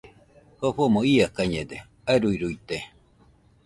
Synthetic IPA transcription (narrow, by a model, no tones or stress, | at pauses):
hoɸomoiakaɲed̪e | aeɾuiɾuit̪e